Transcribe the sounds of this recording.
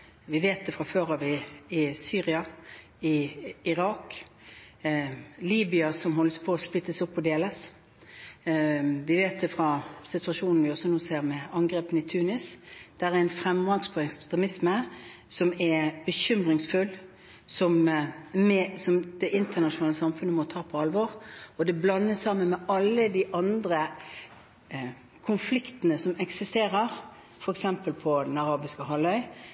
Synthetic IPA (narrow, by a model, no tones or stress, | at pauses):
ʋɪʋeːt̪̚d̪ɛfɾɑføːɾhɑʋɪɪsyːʁɪɑ | ɪɪʁɑːk | liːbɪɑsɔmɦɔlːəspʰoːspɪt̪ːəsɔpːɔd̪eːləs | ʋɪʋeːt̪̚d̪ɛfʁɑsɪt̪ʉɑʂuːnn̩ʋɪɔsɔnuːseːʁmɛɑŋɡɾeːpənɪt̪ʰʉːnɪsd̪̥æʁæɛnfʁɛmlɑŋspʰɔɛkst̪ʁɛmɪsməsɔmɛb̥əçʏmʁɪŋsfʉl | sɔmmɛsɔmd̪̥ɛʔɪnt̪ʰəʁnɑʃʊnɑːləsɑmfʉnəmɔt̪ʰɑːpʰɔɑlʋɔʁɔd̪ɛblɑnːəsːɑmːənmɛʔɑlːəd̪ɪʔɑnd̪ʁə | kʰʊnflɪkt̪ənəsɔmɛksɪst̪eːʁəʁ | fɔɾɛksɛmpəlpʰɔd̪ɛnɑʁɑːbɪskəɦɑlœʏ